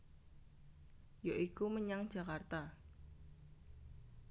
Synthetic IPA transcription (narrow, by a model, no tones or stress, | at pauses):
joʔikuməɲaŋ̥d͡ʒ̥a̤kart̪a